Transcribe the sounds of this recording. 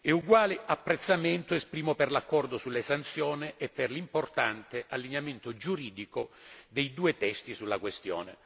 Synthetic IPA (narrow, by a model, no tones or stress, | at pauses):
ɛuɡwaːlɪʔapːɾet̪sːament̪oespɾiːmoperlakːɔrd̪osulːesant̪sjɔːnɪʔːpːerlimport̪ant̪ɪʔalːiɲament̪od͡ʒuɾiːd̪ikod̪ejd̪uːet̪ɛst̪isulːakwest̪jɔ̰ːnɪ̰